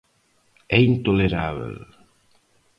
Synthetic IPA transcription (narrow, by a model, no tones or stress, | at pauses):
ɛint̪oleɾaβḛl